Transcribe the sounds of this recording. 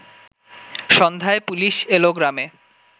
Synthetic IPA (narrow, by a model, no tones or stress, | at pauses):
ʃɔnd̪ʱaepuliʃeloɡɾame